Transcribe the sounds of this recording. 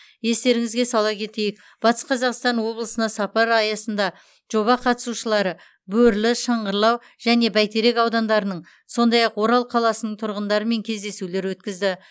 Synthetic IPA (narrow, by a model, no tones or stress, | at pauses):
je̞st̪e̞ɾɪŋɪzɡʲe̞sɑlˠɑkʲʰe̞t̪e̞jɪk̚ | b̥ɑt̪ə̥sqʰɑzɑqst̪ɑnwo̞blˠəsənɑsɑpɑɾɑjɑsənd̪ɑ | ʒ̥o̞βɑqʰɑt̪ə̥suʃəlˠɑɾə | bɵɾlɪʃɑɴʁəɾlˠɑw | ʒ̥æne̞bæjt̪e̞ɾe̞kɑwd̪ɑnd̪ɑɾənəɴ | so̞nd̪ɑjɑqwo̞ɾɑlˠqʰɑlˠɑsənəɴt̪ʰʊɾʁənd̪ɑɾəme̞ŋkʲʰe̞zd̪e̞sule̞ɾwɵt̪̚kʲɪzd̪ɪ